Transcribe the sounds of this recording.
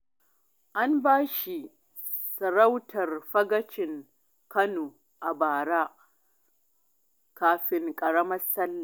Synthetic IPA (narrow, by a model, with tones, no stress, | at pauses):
ʔa˦mbaː˦ʃi˨ | sɐ˨ɾa˦wtʰɐ˨rɸɐ˦ɡɐ˦t͡ʃɪ˨ŋ | kɐ˦noː˨ | ʔa˨baː˨ɽaː˦ | kaː˦ɸɪ˦ŋkʼɐ˨ɽɐ˦mɐ˦sɐ˦lːa˨